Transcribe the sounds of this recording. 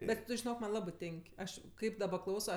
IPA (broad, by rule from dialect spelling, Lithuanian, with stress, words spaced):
ˈbʲɛt ʒʲɪˈnoːk ˈmɐnʲ ˈlˠɑːbɜ ˈtʲeːŋʲkʲ ˈɐʃ ˈkɐɪp dɐˈbɐ ˈklˠɐʊsoː